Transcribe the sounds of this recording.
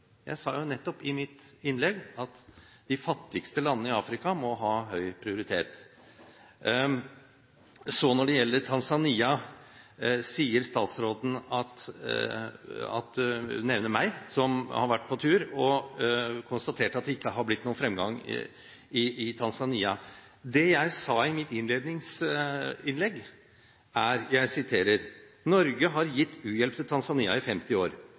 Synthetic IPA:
jæ̰ɪsɑ̰ːjʊnɛt̪ːɔpɪmɪt̪ɪnːlɛɡɑt̪ | d̪̥ɪfɑt̪ːɪɡst̪əlɑnːəɪɑːfɾɪkɑmɔɦɑːɦœʏpʰɾɪʊɾɪt̪ʰeːt̪ | sɔnɔɖɛjɛlːəʈʰɑnsɑniːɑ | siːəɾst̪ɑːt̪sɾoːd̪n̩ɑt̪ | ɑ̰t̪nɛʋnəɾmæɪsɔmhɑ̰ɾʋæʈ̚ːpʰɔt̪ʰʉːɾɔ | kʰʊnst̪ɑt̪ʰeːʈɑt̪̚d̪ɛɪkːəɦɑɾb̪ɪt̪ːnuːənfɾɛmɡɑŋ̰ | ɪɪt̪ʰɑnsɑniːɑ | d̪ɛjæɪsɑːɪmɪt̪ɪnleːd̪nɪŋs | ɪnlɛɡː | æɾjæɪsɪt̪ʰeːɾəɾ | nɔɾɡəɦɑɾjɪt̪ːʉːjɛlp̚t̪ʰɪlt̪ʰɑnsɑniːɑ̰ɪfɛmt̪ɪoːɾ

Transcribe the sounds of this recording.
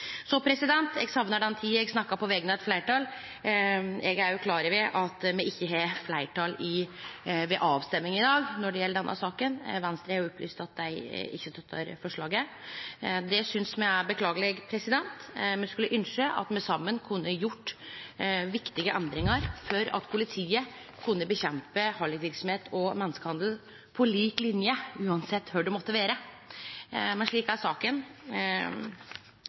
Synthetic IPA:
sɔpʰɾɛsɪd̪ɛnt̪ɛɡsɑmnəɖ̪ɛnːt̪ʰiːɛɡsnɑkːɑpɔʋɛɡənəɛt̪flæɪʈɑːl | ɛɡæɾjʊkʰlɑːɾəɾʋɪʔɑt̪mɛɪçːəɦɛflæɪʈʰɑːlɪ | ʋɛʔɑːʋst̪ɛmːɪŋɪd̪ɑːɡnɔɖɛjɛlːəɖɛnːʔɑ̰sɑːkənʋɛnst̪ɾəhɑɾjʊɔply̰ːst̪ɑt̪̚d̪æɪɪ̰çːət̪ʰɑt̪ʰːə̰ɾfɔʂɭɑːɡə | d̪ɛsʏnsmɛæɾbəkʰlɑːɡəlɛɡpʰɾɛsɪd̪ɛnt̪mɛnskʉlːəʔʏnʂəʔɑ̰t̪mɛsɑmːənkʰʉnːəjʊʈː | ʋɪkt̪ɪɡəʔɛnd̪ɾɪŋɑɾfɔɾɑ̰t̪pʰʊlɪt̪ʰiːə | kʰʉnːəbəçɛmpəhɑlɪkʋɪɾksɔm̩heːt̪ʰɔmɛnːəskəhɑnd̪l̩ | pʰɔliːklɪnjəʉːɑnsɛt̪ːhøɖɛmɔt̪ːəʋeːɾə | mɛnʂɭiːkæɾʂɑːkən

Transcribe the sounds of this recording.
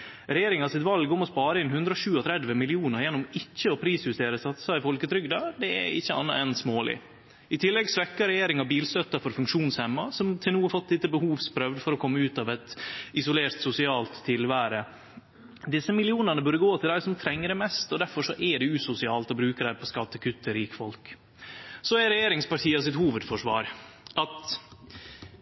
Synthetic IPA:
ɾɛjeːɾɪŋɑsɪt̪ʋɑlɡʊmɔspɑːɾəɪnhʉnd̪ɾəɔʂʉːɔt̪ʰɾɛd̪ʋəmɪlɪuːnəɾjɛnːʊmɪçːəɔpʰɾiːsjʉst̪eːɾəsɑt̪ːsɑɪfɔlkət̪ʰɾʏɡd̪ɑd̪ɛɛ̰ɪçːəɑ̰nːɑɛnsmoːlɪ̰ | ɪt̪ʰɪlːɛɡsʋɛkːɑɾɛjeːɾɪŋɑbiːlsœt̪ːəfɔɾfʉŋkʂuːnshɛmːɑsɔmt̪ʰɪlnuːɑɾfɔt̪ːd̪ɪt̪ːəbəhuːʋspʰɾœʋd̪fɔɾɔkʰɔmːəʉːt̪ɑʋɛt̪ɪsʊleːɾt̪sʊsɪɑːlt̪ʰːɪlʋæːɾə | d̪ɪsːəmɪlɪuːnɑnəbœɾəɡoːt̪ʰɪld̪æɪsɔmt̪ʰɾɛŋːəɾɛmɛst̪ɔd̪æɾfɔʂɔʔɛɖɛʉːsʊsɪɑːlt̪ɔbɾʉːkəɖæɪpʰɔskɑt̪ːəkʰʉt̪ːəɾiːkfɔlk | sɔɛɾɛjeːɾɪŋspɑʈʰiːəs̬ɪt̪huːʋəd̪fɔʂʋɑ̰ːɾʔɑt̪

